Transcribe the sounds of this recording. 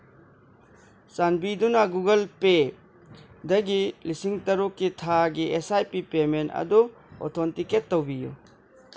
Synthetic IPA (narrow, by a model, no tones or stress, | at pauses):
sanbidunɐɡuɡɐlpe | dɐɡilisiŋtɐɾukːitʰaɡiʔesajpipementɐ̰du | ɔ̰tʰɔntiketːowbijṵ